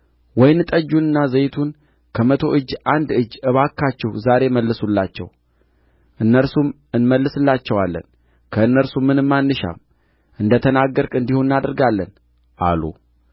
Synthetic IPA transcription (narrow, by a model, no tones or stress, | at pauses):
wɔjnːɨt̪ʼəd͡ʒːunɨnːazəjt̪ʰun | kʰəmət̪ʰo̞ʔɨd͡ʒːand̪ɨd͡ʒːɨβakʰːat͡ʃːɛhuzaɾe̞məlːɨsulːat͡ʃːɛ̰w | ʔɨnːəɾsum | ɨnməlːɨsɨlːat͡ʃːɛwalːə̰n | kʰəɨnːəɾsumːɨnɨmːanːɨʃa̰m | ʔɨnd̪ət̪ʰənaɡːəɾkʼɨnd̪ihonɨnad̪əɾɡalːən | ʔa̰lṵ